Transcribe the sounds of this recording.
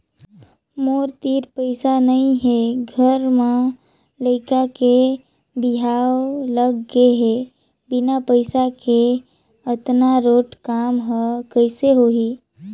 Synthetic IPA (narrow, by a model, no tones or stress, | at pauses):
moːɾt̪iːɾpəɪsanɐɦĩɦeɡʱəɾmã | ləɪkake | bɪɦaːwoləɡːeɦe | bɪnapəɪsake | ət̪naɾoːʈkaːmɦəkəɪseɦoːɦiː